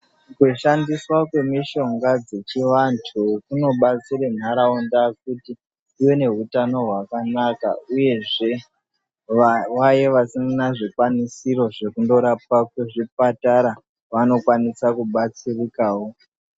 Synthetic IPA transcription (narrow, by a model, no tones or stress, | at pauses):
kuʃandiswakwe̞miʃo̞ŋɡad͡zet͡ʃiʋantʰukuno̞ɓat͡siɾen̤aɾaondak̚utiː | we̞ne̞ɦutano̞ɦwakanaka̰uje̞ʐe̞ | ʋaje̞ʋasimunaʐikwanisiɾo̞ʐe̞kundo̞ɾap̚akweʐip̚ataɾa | ʋano̞kwanisakuɓat͡sirikaːwo̞